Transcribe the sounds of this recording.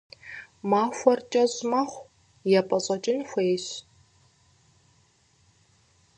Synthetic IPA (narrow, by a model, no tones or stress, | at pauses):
maːxʷɔrt͡ʃʼɐʑmɐχʷ | jɛpʼɐɕʼɐt͡ʃʼɪnxʷeːɕ